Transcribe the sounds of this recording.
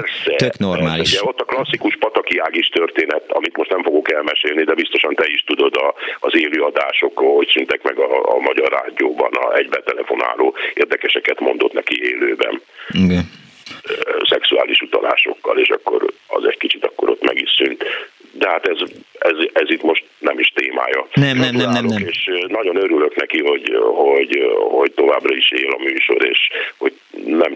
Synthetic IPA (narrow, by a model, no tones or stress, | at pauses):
pɛrsɛknormaːliuʃɟɛo̞t̪ːɒklɒsːikuʃpɒt̪ɒkiaːɡiʃt̪ørt̪eːnɛt̪ːɒmit̪mo̞ʃt̪nɛɱfoɡo̞kɛlmɛʃeːlnid̪ɛbist̪o̞ʃɒnt̪ɛiʃt̪ud̪o̞d̪ɒːzeːløːɒd̪aːʃo̞kːocsynt̪ɛkmɛɡɒ̰ːmɒɟɒrːa̰ːd̪ijoːbɒ̰nɒ̰ɛɟbɛt̪ɛlɛfo̞na̰ːloːeːrd̪ɛkɛʃɛkɛt̪mo̞nd̪o̞t̪nɛkieːløːbɛ̰niɡɛ | sɛksuaːliʃut̪ɒla̰ːʃo̞̰kːɒleːʃɒkːo̞̰ɾɒ̰zɛɟkit͡ʃit̪ɒkːo̞ɾo̞t̪mɛɡisynt̪d̪ɛɦat̪ɛzɛzɛzit̪mo̞ʃt̪nɛmiʃt̪eːma̰ːjɒnɛmnɛmnnɛoeːʃnɒɟo̞nøɾyløknɛkiɦo̞ɟho̞ɟho̞ɟt̪o̞vaːbrɒiʃeːlɒmyːʃo̞̰ɾeːʃho̞ɟ | nɛm